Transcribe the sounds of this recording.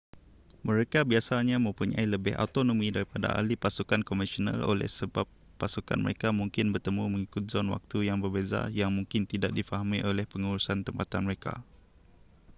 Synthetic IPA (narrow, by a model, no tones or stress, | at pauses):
mə̃ɾekabiasaɲãmə̃mpuɲã̰iləbɪha̰ut̪onõmĩdaɾipada̰a̰lipasukankomɛsona̰lo̰lɛ̰hsəbapːasuka̰nmə̰ɾekamũŋkɪnbərt̪əmũmə̃ŋikʊt̪̚zɔnwa̰k̚t̪ujaŋbərbeza̰jaŋmũŋkɪnt̪idaʔ̚difaɦamĩʔolɛhpəŋuɾusant̪əmpat̪anməɾeka̰